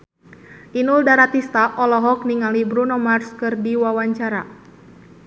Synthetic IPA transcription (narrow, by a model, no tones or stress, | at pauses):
ʔinuldaɾat̪ist̪aʔɔlɔɦɔkniŋalibɾunɔmarskɨrdiwawaɲt͡ʃaɾa